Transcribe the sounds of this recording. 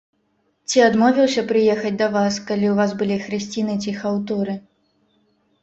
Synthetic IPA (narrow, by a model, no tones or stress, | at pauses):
t͡sʲiad̪mɔvʲiwsʲɐpɾɨjɛxɐd͡zʲd̪ɐvaskalʲiwvazbɨlʲixɾɨsʲt͡sʲinɨt͡sʲixawt̪ɔɾɨ